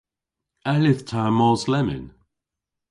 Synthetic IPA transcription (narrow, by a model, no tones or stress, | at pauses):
alɪθtʰamɔzlɛmɪ̰n